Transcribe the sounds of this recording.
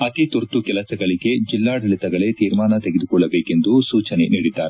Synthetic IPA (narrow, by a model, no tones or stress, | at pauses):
ɐt̪it̪uɾt̪ukɛlɐsɐɡɐɭiɡe̞d͡ʒilːaːɽɐlit̪ɐɡɐɭet̪iːɾmaːnɐt̪eɡed̪ukɔɭːɐbeːke̞nd̪usuːt͡ʃɐneniːɽid̪aːɾe